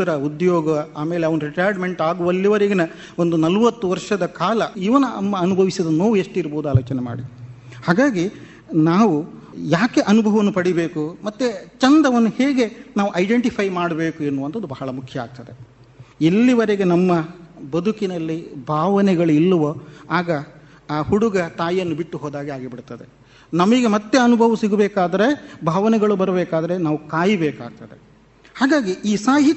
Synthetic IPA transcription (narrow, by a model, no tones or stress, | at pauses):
ɐɾɐud̪jɔːɡɐaːmeːleɐʋɐnuɾiʈaːɾɖme̞ɳʈaːɡuʋɐlːiʋɐɾeɡenɐ | o̞nd̪unɐlʋɐt̪ːuʋɐɾʂɐd̪ɐkaːlɐiʋɐnɐɐmːɐɐnubʱɐʋisid̪ɐnːoːʋueʂʈiɾboːud̪uaːloːt͡ʃɐnɛma̰ːɽi | haːɡaːɡi | naːʋujaːke̞ʔɐnubʱɐʋɐʋɐnːupɐɽibe̞ːkumɐt̪ːet͡ʃɐnd̪ɐʋɐnːuheːɡe̞naːʋuʔɐjɖeɳʈipʰɐjmaːɽɐbeːkuenːuʋɐnt̪ɐd̪ubɐɦɐɭɐmukʰjɐa̰ːɡ̚t̪ɐd̪e | elːiʋɐɾeɡe̞nɐmːɐbɐd̪ʱukinɐlːibʱaːʋɐnɛɡɐɭuilːɐʋɐaːɡɐː | huɽuɡɐt̪aːjjɐnːubiʈːuɦoːd̪aːɡiaːɡibiɽt̪ɐd̪e̞ | nɐmɐɡe̞mɐt̪ːe̞ɐnubʱɐʋɐsiɡubɛːkaːd̪ɐɾe̞bʱaːʋɐnɛɡɐɭubɐɾɐbɛːkaːd̪ɐɾe̞naːʋukaːjibɛːka̰ːɡ̚t̪ɐd̪e | haːɡaːɡiiːsaːɦit̪ː